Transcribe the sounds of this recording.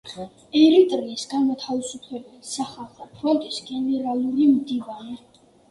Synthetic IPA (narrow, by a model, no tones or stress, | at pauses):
ɛɾit̪ʼɾiːsɡamɔt̪ʰavisupʰlɛbɛlisaχalˠχɛpʰɾɔnt̪ʼisɡɛnɛɾalˠuɾimd̪ivanɛa